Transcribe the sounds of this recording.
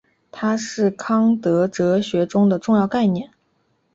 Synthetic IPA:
t̪ʰa˥ʂɻ̩˥˩kʰɑ˥ŋt̪ɤ˧˥ʈ͡ʂɤ˧˥ɕɥɛ˧˥ʈ͡ʂʊ˥ŋd̪ə˨ʈ͡ʂʊ˥˧ŋjɑ˥˧ʊka˥˧ɪnjɛ˥˩n

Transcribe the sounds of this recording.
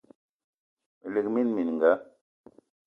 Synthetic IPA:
m˨li˨k̚mi˦nmi˨n˨ŋ˨ɡa˨˦

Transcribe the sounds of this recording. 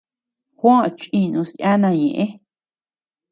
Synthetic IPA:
hʷã˦˨t͡ʃʔĩ˧nũ˧sʔa˦nã˧˨ɲẽ˨ʔẽ˦

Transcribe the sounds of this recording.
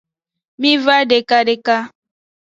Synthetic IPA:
mĩ˦va˦ɖe˨ka˦ɖe˦ka˦

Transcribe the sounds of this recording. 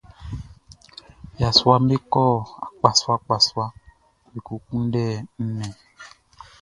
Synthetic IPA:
ja˨swa˦m˦be˦kɔ˦˨a˨k͡pa˨swa˦k͡pa˨swa˦ | bi˨ku˨kũ˦n˦dɛː˦˨n̩˦mɛ˨

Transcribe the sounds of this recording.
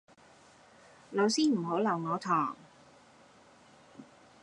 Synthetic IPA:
lo˨˧wsiː˥m̩˨˩ɦo˨˥lɐ˨˩wŋɔː˨˧t̪ʰɔː˨˩ŋ

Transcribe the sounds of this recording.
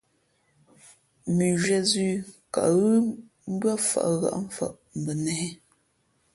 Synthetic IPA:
mi˨ʒɥɛ˦zʉ˦ka̰˨ʔɣɯ˦ | m̩˦bɰa˦fa̰˨ʔɣa̰˨ʔɱ̩˦fa̰˦˨ʔ | m˨bə˨nɛ˨ɛ˦

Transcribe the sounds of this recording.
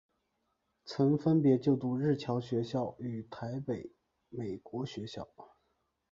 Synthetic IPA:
t͡sʰɤ˧˥ŋfə˥npjɛ˧˥t͡ɕjo˥˧ʊt̪u˥˧ɻɻ̩˥˩t͡ɕʰjɑ˧˥ʊɕɥɛ˧˥ɕjɑ˥˩ʊy˨˩t̪ʰa˧˥ɪpe˨˩˦ɪ | me˨˩ɪkwɔ˧˥ɕɥɛ˧˥ɕjɑ̰˥˩ʊ

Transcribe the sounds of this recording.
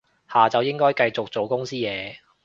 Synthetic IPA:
haː˨t͡sɐ˨wjɪ˥ŋkɔː˥jkɐ˧jt͡sʊ˨k̚t͡so˨wkʊ˥ŋsiː˥jɛː˨˧

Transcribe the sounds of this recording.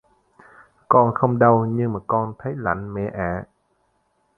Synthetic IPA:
kɔ˧nxə˧wŋ͡mɗə˧wɲɨ˧ŋmaː˨˩kɔ˧nt̪ʰə˨˦jla̰˧˩˨jŋ̟mɛ̰˧˩ʔa̰ː˧˩˨

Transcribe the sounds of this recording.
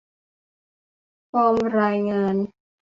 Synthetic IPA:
pʰɔː˧mɾaː˧jŋaː˧n

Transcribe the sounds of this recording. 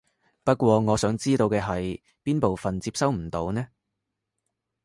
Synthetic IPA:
pɐ˥t̚kʷɔː˧ŋɔː˨˧sœː˨˥ŋt͡siː˥t̪o˧wkɛː˧ɦɐ˨j | piː˥npo˨wfɐ˨nt͡siː˧p̚sɐ˥wm̩˨˩t̪o˨˥wnɛː˥

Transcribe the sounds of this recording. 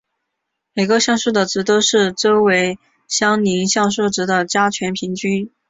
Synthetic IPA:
me˨˩ɪɡə˧ɕjɑ˥˧ŋʂu˥˩d̪ə˩ʈ͡ʂɻ̩˧˥t̪o˥ʊʂɻ̩˥˩ʈ͡ʂo˥ʊwe˧˥ɪ | ɕjɑ˥ŋni˧˥ŋɕjɑ˥˧ŋʂ̬ɤ˥˩ʈ͡ʂɻ̩˧˥d̪ə˨t͡ɕja˥t͡ɕʰɥɛ˧˥npʰi˧˥ŋt͡ɕy˥n

